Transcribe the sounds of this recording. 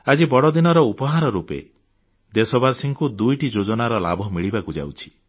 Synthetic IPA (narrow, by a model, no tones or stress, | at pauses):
ad͡ʒibɔɽɔd̪inɔɾɔupɔɦaɾɔɾupḛ | d̪esɔbaɾsiŋkud̪ujʈid͡ʒod͡ʒɔnaɾɔla̰bʱɔmiɭibakud͡ʒa̰wt͡ʃʰi̥